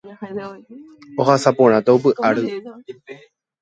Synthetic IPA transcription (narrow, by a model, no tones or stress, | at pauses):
ohasapõɾ̃ãt̪aop̬ɨʔaɾɨ